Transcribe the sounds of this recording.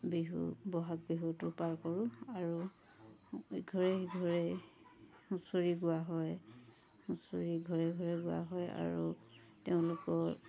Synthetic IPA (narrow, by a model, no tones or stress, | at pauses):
biɦṵbɔɦak̚biɦutʊpaɹkɔɹʊ̃aɹu | ɡʱɔɹɛɡʱɔɹɛ | mũsoɹiɡʊwaɦɔj | husoɹiɡʱɔɹɛɡʱɔɹɛɡʊwa̰ɦɔja̰ɹu | teʊ̃lʊkɔ